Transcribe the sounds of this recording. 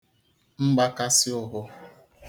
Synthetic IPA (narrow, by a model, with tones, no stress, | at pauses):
ŋ͡m̩˦ɡ͡ba˦ka˦sɪ˦ʊ˨ɦʊ˦